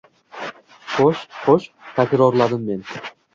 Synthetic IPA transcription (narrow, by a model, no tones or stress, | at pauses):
χoʃχoʃt̪ʰakʲɾoɾlˠad̪ɪmːe̞n